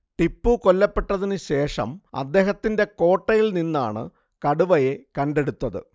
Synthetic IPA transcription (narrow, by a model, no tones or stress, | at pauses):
ʈipːuko̞lːɐpːe̞ʈːɐðinɨɕe̞ːʂɐ̰mɐ̰d̪ːe̞ːɦɐt̪ːinde̞ko̞ːʈːɐjilninːa̰ːɳɨ̰ | kɐɽuʋɐje̞kɐnɖe̞ɽut̪ːɐðɨ̰